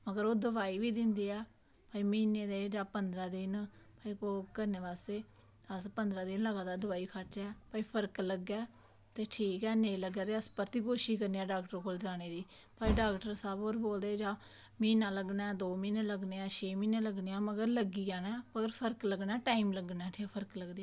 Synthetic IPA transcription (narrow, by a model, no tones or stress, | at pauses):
məɡəɾoːd̪əʋaːiːʋiːd̪ɪnd̪iːɛː | paːiːmineːd̪eːd͡ʒaːpənd̪ɾaːd̪ɪnpaːiːkoːkəɾneːʋaːseː | əspənd̪ɾaːd̪ɪnləɡaːd̪aːd̪əʋaːiːkʰat͡ʃɛːpaːiːpʰəɾkləɡːɛː | t̪eːʈʰiːkɛːneːləɡɛːt̪eːəspəɾt̪iːkoːʃiːkəɾniːaːɖaːkʈəɾkoːld͡ʒaːɽ̃eːd̪iː | paːiːɖaːkʈəɾsaːboːɾboːld̪eːd͡ʒãː | miːnãːləɡnaːd̪oːmiːneːləɡneːaːt͡ʃʰeːmĩːneːləɡneːãːməɡəɾləɡiːaːnɛːməɡəɾpʰəɾkləɡnɛːʈaːiːmləɡnaɛːʈʰiːpʰəɾəkləɡd̪eːaː